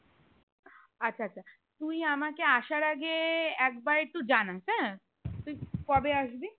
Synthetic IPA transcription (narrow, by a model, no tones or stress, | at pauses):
ɐtːʃʰatːʃʰa | t̪uĩamakeaʃaɾaɡeɛkbaɾt̪ud͡ʑanasɛ | t̪uikɔbeaʃbi